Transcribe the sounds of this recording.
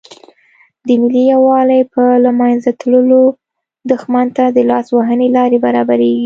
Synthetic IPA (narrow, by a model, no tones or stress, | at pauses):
d̪əmɪlijawɑlajpəlamɑjnzat̪ləlo | d̪ʊxmant̪ad̪əlɑswaɦənelɑɾebaɾɑbaɾeɡi